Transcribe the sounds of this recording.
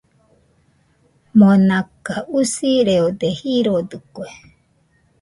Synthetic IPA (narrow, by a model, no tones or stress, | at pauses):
monakaʔusiɾeod̪ehiɾod̪ɯkʷe